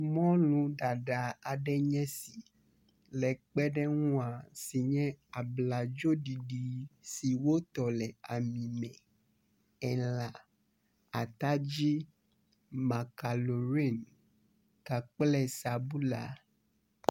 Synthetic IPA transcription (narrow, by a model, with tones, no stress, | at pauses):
mɔ̃˦lũ˨ɖa˨ɖa˨a˨ɖɛ˦ɲɛ̃˦si˨ | lɛ˨k͡pɛ˦ɖɛ˦ŋũ˦a˨si˨ɲɛ̃˦a˨bla˨d͡ʒo˦ɖi˨ɖi˨si˨wo˦t̪ɔ˨lɛ˨a˨mĩ˨mɛ̃˨ | ɛ˨la˨ | a˨t̪a˦d͡ʑi˦ | mã˨ka˨lo˨ɾi˦˨n | ka˨k͡plɛ˦sa˨bu˦la̰˨